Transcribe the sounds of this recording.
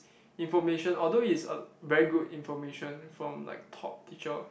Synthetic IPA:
ĩnfɔmeʃə̃nɔldoisə̰vɛɹiɡudĩnfɔmeʃə̃nfɹɔ̃mla̰ɪk̚tʰɔ̰p̚tʰit͡ʃəl

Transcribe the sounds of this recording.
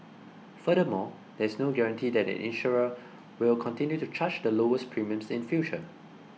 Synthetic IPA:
fədəmɔ | dɛɪsnoɡɛɹə̃ntʰidɛtɛ̰̃nʔɪ̰̃nʃɔɹə | wɪlkʰɔ̃ntɪ̃njutut͡ʃʰat͡ʃdəloəspʰɹĩmə̃msɪ̃nfjut͡ʃə

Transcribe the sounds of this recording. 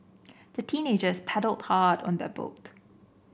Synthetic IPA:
ð̥ətʰĩːned͡ʒəspʰɛɾəlˠdhaːdɔ̰̃nd̪ɛbo̰t

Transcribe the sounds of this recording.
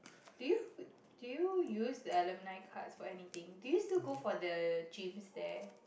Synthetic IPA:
d̥uju | d̥ujujusdəɛlə̃mnaɪkʰatsfɔɛnit̪ĩŋdujustiɡofɔdəd͡ʒĩmsdɛ

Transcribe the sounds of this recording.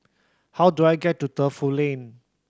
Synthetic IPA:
hawduajɡɛtːutəfulẽn

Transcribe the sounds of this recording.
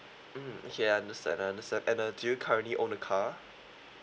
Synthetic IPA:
m̩jɛaɪãndəstæ̰̃ndaɪãndəstæ̃ndɛ̃nədʉkʰaʊniʔɔ̃nəkʰɑː

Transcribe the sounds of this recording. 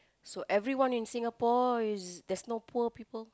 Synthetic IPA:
soʔɛvɹiwãnɪ̃nsɪ̃ŋapɔɪsdɛsnopʰuəpipəl

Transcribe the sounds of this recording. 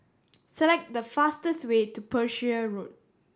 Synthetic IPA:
sɛlɛk̚t̚dəfastəswetupʰəʃəɹot̚

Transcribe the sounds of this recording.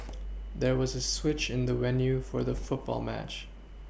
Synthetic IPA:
ðə˞wʌzəswɪt͡ʃɪ̃nðəɹɛnjʉfə˞ðəfʊt̚b̥ɔ̰lˠmæ̰t͡ʃ

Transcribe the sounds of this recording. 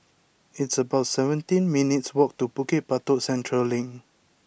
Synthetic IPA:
itsəbaʊtsɛvə̃ntĩnminitswɔk̚tupukit̚patosɛ̃ntʰɹəllĩŋ

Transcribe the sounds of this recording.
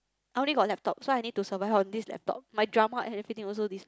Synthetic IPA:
ʔaɪjõnliɡɔt̚lɛp̚tɔp̚soajnid̚tusəvaɪvɔ̃ndislɛ̰p̚tɔ̰p̚majdɹamaʔɛ̰̃nɛvɹit̪ĩŋɔls̬odis

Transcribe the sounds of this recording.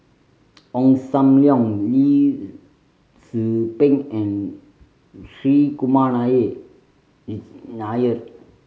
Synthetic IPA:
ɔ̃ŋsamljɔ̃ŋli | sɨpẽŋɛ̃n | sɾikumanaje | ɾinajəɾ

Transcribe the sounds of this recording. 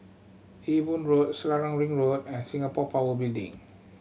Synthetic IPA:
ʔivũnɹot̚slaɹãŋɹĩŋɹot̚ɛ̃nsĩŋapɔpawəbildḭ̃ŋ

